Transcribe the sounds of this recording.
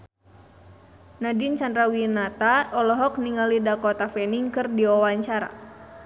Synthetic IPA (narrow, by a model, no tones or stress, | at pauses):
nadint͡ʃandɾawinat̪aɔlɔɦɔkniŋalidakɔt̪afɛniŋkɨrdiɔwaɲt͡ʃaɾa̰